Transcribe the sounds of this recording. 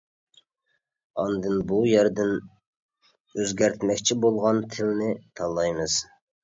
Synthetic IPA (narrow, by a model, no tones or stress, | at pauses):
ɑ̰nd̪ɨnbujæɾd̪ɪn | øzɡʲæɾt̪ʰmɛkʲt͡ʃʰibolˠʁɑnt̪ʰɪlɪnɪt̪ʰɑlˠːɑjmɨz̥